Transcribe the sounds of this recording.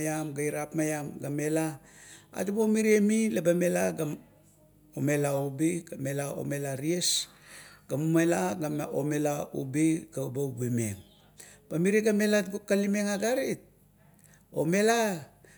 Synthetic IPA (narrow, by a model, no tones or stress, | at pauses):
jamɡajɾapmajamɡamelaa̰tubomiɾiemilabamelaɡam | ome̞laubiɡamelao̰me̞laɾies | ɡamumalaɡaomelaṵbiɡaubawbemḛŋ | b̥amiɾiɡame̞latɡokːalimeŋaɡaɾit̚ | o̰me̞la